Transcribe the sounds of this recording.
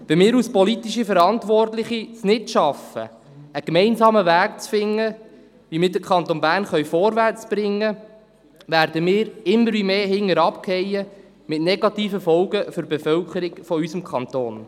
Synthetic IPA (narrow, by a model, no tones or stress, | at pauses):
ʋɛmɪːɾuspɔlit̪iʃifəɾɑnt̪ʋɔrtlɪχisnɪtʃɑfə̰ | əkmɛɪnsɑːməʋæːk̚t͡sfɪŋːə | ʋimɪːɾdəkʰɑnt̪onbæːrnχœɥfɔɾʋært͡sb̥ɾɪŋːə | ʋæːɾdəmɪːɾɪmːəɾʋimeːɦɪŋːəɾɑpkʰhɛjə | mɪtnɛɡɑtiːfəfɔlɡəfʏɾbefœlkəɾɪɡfɔysəmkχɑnt̪oːn